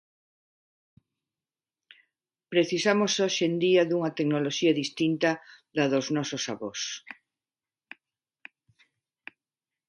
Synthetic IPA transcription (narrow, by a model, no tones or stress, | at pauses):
pɾeθisamosoʃend̪iɐðuŋɐt̪eknoloʃiɐðist̪int̪ɐðɐðoznɔsosaβos